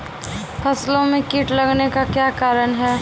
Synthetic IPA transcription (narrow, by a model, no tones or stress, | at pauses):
pʰɐslõmẽkiʈlɐɡnekakjaːkaːɾənɦɛː